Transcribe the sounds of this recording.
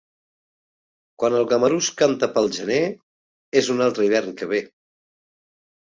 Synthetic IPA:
kwanəlˠɣəməɾuskant̪əpəlˠʒəne | ezunalˠt̪ɾəiβ̞ɛrŋkəβ̞e

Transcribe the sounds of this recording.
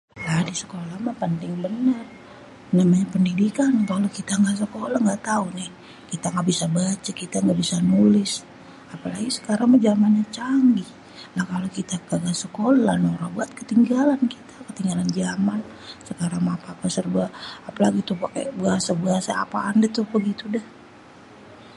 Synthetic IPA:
ladisə̥kolahmapənt̪ɪŋbənər | namaɲapəndidikankalokit̪aŋɡaʔs̬əkolaŋɡaʔt̪aunɪh | kit̪aŋɡabisabat͡ʃakit̪aŋɡabisanulɪs | apalaɡisə̥kaɾaŋmad͡ʒamanɲat͡ʃaŋɡi | lahkalokit̪akaɡasəkolalanɾabuat̪̚kət̪iŋɡalankit̪ʰḁkət̪iŋɡaland͡ʒaman | səkaɾaŋmapapasərbaapalaɡit̪upakḛbəasabəasa̰ːpaːndat̪uhbəɡit̪udɛh

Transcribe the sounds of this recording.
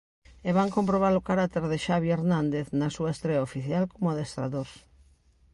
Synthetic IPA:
eβaŋkompɾoβ̞aɾokaɾat̪eɾðeʃaβieɾnãnd̪eθnɐsuaest̪ɾeaofiθjalkomoaðest̪ɾa̰ðos

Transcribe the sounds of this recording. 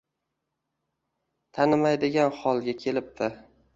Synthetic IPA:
t̪ʰanɪmajd̪ɪɡʲanχɒlˠɡʲakʲʰe̞lɪp̚t̪ʰɪ

